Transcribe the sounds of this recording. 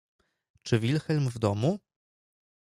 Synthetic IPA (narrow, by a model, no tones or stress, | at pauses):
t͡ʂɘvʲilxɛlmvd̪ɔmu